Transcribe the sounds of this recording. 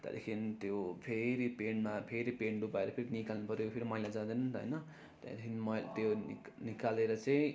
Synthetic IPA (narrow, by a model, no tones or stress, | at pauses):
t̪ḛd̪ḛkʰinit̪jopʰeɾipeɳmapʰeɾipeɳɖupaeɾʌpʰeɾinikalnupʌɾojpʰeɾimʌilad͡zãd̪anʌnɦʌ̰jnʌ | t̪ḛd̪ekʰinimʌt̪joni | nikaleɾʌt͡saĩ